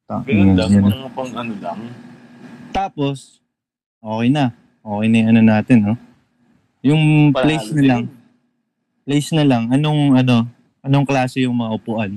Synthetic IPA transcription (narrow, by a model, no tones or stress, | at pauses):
t̪anɐnɐŋpɐŋɐnolɐŋ | t̪aːpo̞s | ʔo̞ːkɛjnɐ | ʔo̞ːkɛjnɐjʊŋʔɐno̞naːt̪ɪnːo | jʊŋlejsnɐlaŋ | plejsnɐlɐŋʔɐnoŋʔɐno̞ | ʔɐno̞ŋklaːsejʊŋmɐŋɐʔʊpʊʔɐn